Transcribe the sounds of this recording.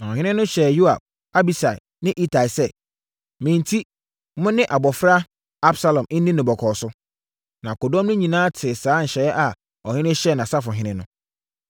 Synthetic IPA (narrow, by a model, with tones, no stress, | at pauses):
na˨ɔ˨ɦɪ̃˦nɪ̃˦nʊ̃˦ɕɛ˨ju˦a̰˨b̚ | a˦bi˨sa˨ɪ̰˨ | nɪ̃˦ʔi˦tʰa˨i˨sɛ˦ | mɪ̃˨n˨tʰi˦ | mʊ̃˦nɪ̃˦ʔa˨bɔ˨fɾa˦ | a˦bsa˦lɔ̃˨m̩˦nĩ˦nɪ̃˨bɔ˨kʰɔː˨sʊ˦ | nã˨kʊ˨dɔ̃˦mnʊ̃˦ɲĩ˨nãː˦tʰɪ˨saː˦n̩˨ɕɛ˨˦ʔa˨ | ɔ˨hɪ̃˦nɪ̃˦ɕɛ˦˨nã˨sa˦fʊ˨ɦɪ̃˦nɪ̃˦nʊ̃˦